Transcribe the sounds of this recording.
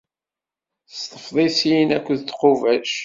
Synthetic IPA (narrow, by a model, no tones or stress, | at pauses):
θə̥st̪ˤə̥fðˤesijnækʷːəðt̪qʊvæʃ